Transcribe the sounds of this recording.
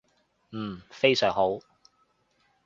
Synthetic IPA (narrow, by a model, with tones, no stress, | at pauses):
m̩ː˨˩fe˥jsœː˨˩ŋho˨˥w